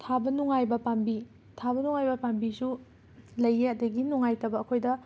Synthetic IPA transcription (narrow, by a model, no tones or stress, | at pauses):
tʰabɐnuŋajbɐpambi | tʰabɐnuŋajbɐpambisu | lɐjeɐdɐɡinuŋajtɐbɐːkʰojdɐ